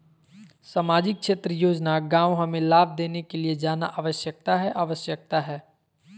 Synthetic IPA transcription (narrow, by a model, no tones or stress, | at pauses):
samaːd͡ʒɪk̚ʃeːt̪ɾəjoːd͡ʒnaɡãːw̃ɦɐmẽlaːb̚ʱd̪eːnekelied͡ʒaːnaʔaːʋəʃjək̚t̪aɦɛʔaːʋəʃjək̚t̪aɦɛː